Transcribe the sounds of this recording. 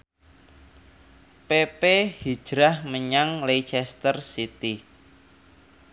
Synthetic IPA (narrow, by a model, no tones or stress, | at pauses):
pepehi̥ʒ̥ɾahməɲaŋlejt͡ʃɛst̪ərsit̪i